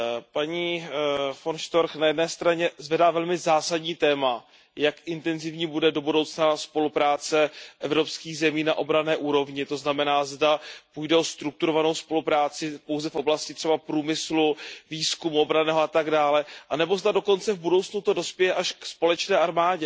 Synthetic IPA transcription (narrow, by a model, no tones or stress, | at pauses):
paɲiːfonʃt̪o̞ɾxnajɛdnɛːst̪ɾaɲɛzvɛdaːvɛlmɪzaːsadɲiːt̪ɛːma | jakʔɪnt̪ɛnzɪvɲiːbudɛdo̞budo̞wt͡snaspo̞lupɾaːt͡sɛʔɛvɾo̞pskiːɣzɛmiːnaʔo̞bɾanɛːʔuːɾo̞vɲɪt̪o̞znamɛnaːzdapujdɛʔo̞st̪ɾuk̚t̪uɾo̞vano̞wspo̞lupɾaːt͡sɪpo̞wzɛfʔo̞blascɪt̪r̝̥ɛbapɾuːmɪsluviːskumuo̞bɾanɛːɦoat̪aɡdaːlɛʔanɛbo̞zdado̞ko̞nt͡sɛvbudo̞wt͡snut̪odo̞spjɛjɛʔaʃkspo̞lɛt͡ʃnɛːʔaɾmaːɟɛ